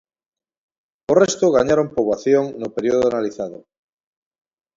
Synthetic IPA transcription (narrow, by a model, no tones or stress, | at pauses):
orest̪oɣaɲaɾompoβaθjoŋnopeɾioðoanaliθaðo̰